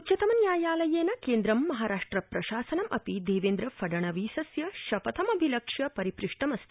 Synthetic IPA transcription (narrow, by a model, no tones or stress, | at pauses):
utt͡ʃɐt̪ɐmɐnjaːjaːlɐjeːnɐkeːnd̪ɾɐmːɐɦaːɾaːʂʈɾɐpɾɐʃaːsɐnɐmʔɐ̰pid̪eːʋeːnd̪ɾɐfɐɖɐɳ̃ɐʋiːsɐsjɐʃɐpɐt̪ʰɐmɐbʱilɐkʂjɐpɐɾipɾiʂʈɐmɐst̪ʰi